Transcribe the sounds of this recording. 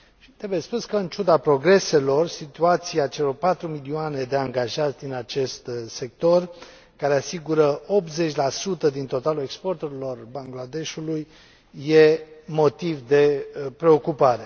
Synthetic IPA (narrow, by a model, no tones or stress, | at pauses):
ʃit̪ɾe̞bujespuskəɨnt͡ʃud̪apɾo̞ɡɾe̞se̞lo̞rsit̪uat̪siat͡ʃe̞lo̞rpat̪ɾumilioane̞d̪e̞aŋɡaʒat̪sʲd̪inat͡ʃe̞st̪se̞k̚t̪o̞r | kaɾeasiɡuɾəo̞p̚t̪ze̞t͡ʃʲlasut̪əd̪int̪o̞t̪alue̞kspo̞rt̪oɾilo̞rbaŋɡlad̪e̞ʃulujː | emo̞t̪ivd̪e̞pɾe̞o̞kupaɾe̞